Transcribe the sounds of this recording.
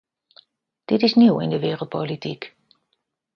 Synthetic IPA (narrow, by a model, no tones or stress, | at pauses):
d̥ɪtɪsniwɪ̰ndəʋɪːrəl̩ˠt̚pʰolitʰik